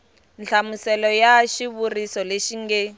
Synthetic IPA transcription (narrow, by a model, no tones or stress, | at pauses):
nt͡ɬʰamusɛlɔjaʃiβurisɔleʃiŋɡɛ